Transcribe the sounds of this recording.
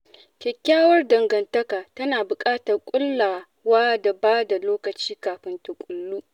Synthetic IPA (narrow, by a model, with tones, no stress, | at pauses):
kʲɛ˨kʲːaː˦wɐ˦rdɐ˨ŋɡɐ˨ntɐ˦kaː˨tɐ˦naː˨bʊ˨kʼaː˦tɐ˨rkʷʼʊ˦lːaː˨ | waː˦da˨baː˦da˨loː˦kɐ˨t͡ʃiː˦kaː˨ɸɪ˦nta˨kʷʼʊ˨lːuː˦